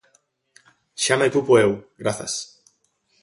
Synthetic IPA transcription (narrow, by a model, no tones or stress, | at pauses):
ʃamet̪upoewɡɾaθa̰s